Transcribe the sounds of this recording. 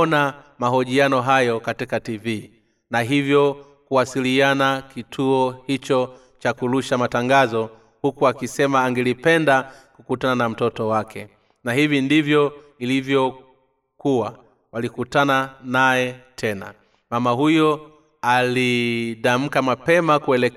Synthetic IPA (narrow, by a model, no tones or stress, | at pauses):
namaɦɔʄianɔɦajɔkatikativi | naɦivjɔ | kuwasilianakitʰuɔhit͡ʃɔ | t͡ʃakuluʃamataŋɡazɔ | hukuakisɛmaːŋɡɛlipɛndakukutananam̩tɔtɔwakʰɛ | nahivindivjɔilivjɔ | kuwa | walikutananajɛtʰɛna̰ | mamaɦujɔ | aliɗam̩kamapɛmakuɛlɛ